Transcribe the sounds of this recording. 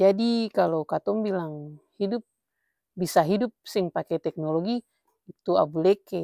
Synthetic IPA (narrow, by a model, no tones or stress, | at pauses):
d͡ʒadikalokat̪ɔŋbilaŋhidup̚ | bisaɦidup̚siŋpakɛt̪ɛk̚noloɡi | it̪ua̰bulɛkɛ